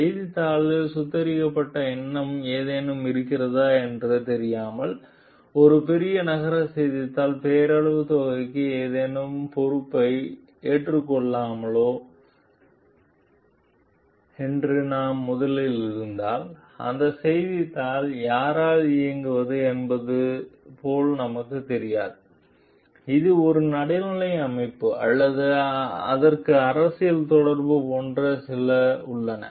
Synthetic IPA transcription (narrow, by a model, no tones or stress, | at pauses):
sɛjðɪt̪ːaːɭɯsʊt̪ːɐɾɪkːɐpːɐʈːɐɛnːɐmeːðeːnɯmɪɾɯkːɪrɐðaːɛndrɯt̪ɛɾɪjaːmɐɭ | ɔɾɯpɛɾɪjɐnɐɣɐɾɐsɛjðɪt̪ːaːlpeːɾɐɭɯʋɯt̪oːɣɐɪkːɯeːðeːnɯmpɔɾɯpːɐɪ | eːʈrɯkːɔɭːaːmɐɭoː | ɛndrɯnaːmːʊðɐlɪlɪɾɯnd̪aːl | ɐ̰nd̪ɐsɛjðɪt̪ːaːljaːɾaːlɪjɐŋɡɯʋɐðɯɛnbɐðɯpoːlnɐmɐkːɯt̪ːɛɾɪjaːðɯ | ɪðɯɔɾɯnɐɽɪnɪlɐɪɐmɐɪpːɯʔɐlːɐðɯɐ̰ðɐrkɯɐɾɐsɪjɪlt̪ɔɽɐɾbɯpoːndrɐsɪlɐʊɭːɐnɐ̰